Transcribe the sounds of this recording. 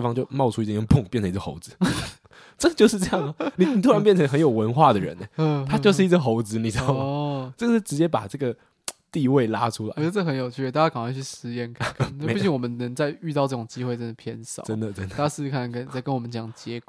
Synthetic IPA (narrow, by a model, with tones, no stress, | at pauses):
e˥˩fɑ˥ŋt͡ɕjo˥˧ʊmɑ˥˧ʊʈ͡ʂʰu˥i˧˩˥pʰʊ˥˨ŋpjɛ˥˩nʈ͡ʂʰɤ˧˦ŋi˧ə˧xo̰˧˥ʊd͡zɹ̩˦ | ʈ͡ʂɤ˥˩ɡə˩t͡ɕjo˥˧ʊʂ̬ɻ̩˥˧ʈ͡ʂɤ˥˧jɑ˥˩ŋə˩ni˨˩ni˨˩u˥a˧˦npjɛ˥˩nʈ͡ʂʰɤ˧˥ŋxə˧˦njo˨˩ʊwə˧˥nxwa˥˩d̪ə˩ɻə̰˧˦nɛ˧˦˧t̪ʰa˥t͡ɕo˥˧ʊʂ̬ɻ̩˥˩i˧˥t͡sə˥˩xo˧˥ʊd͡zɹ̩˧˥˦ni˨˩sɑ˥˩ʈ͡ʂə˥˩ɡə˩ʂ̩˥˩ʈ͡ʂɻ̩˧˥t͡ɕjɛ˥pa̰˨˩ʈ͡ʂɤ˥˩ɡə˩ | t̪i˥˧we˥˩ɪla̰˦ʈ͡ʂʰu˥la̰˨˥˦ʈ͡ʂə˥˩xə˧˦njo˨˩ʊt͡ɕʰy˥˩˧t̪a˥˩ja˥˩ka˨˩ŋwa˥˧t͡ɕʰy˥˩ʂɻ̩˧˥jɛ˥˧˩nkʰa˥˩nkʰa˥˩˥ppt͡ɕi˥˩ŋwɔ˨mə˦nnə˧˦ŋt͡sa˥˧ɪy˥˧t̪ɑ˥˧ʈ͡ʂɤ˥˩ʈ͡ʂʊ˨˩ŋt͡ɕi˥xwe˥˧ɪt͡sə˥˩d̪ə˩pʰjɛ˥˧nsɑ̰˥˨˩ə˦˥nd̪ə˨ʈ͡ʂə˦˥nd̪a˥˧a˥˩s̩˥˧kʰa˥˩n˨˩kə˥nt͡sa˥˩ɪkə˥nwɔ˨˩mə˦nt͡ɕjɑ˨˩ŋ˩t͡ɕjɛ˧˥k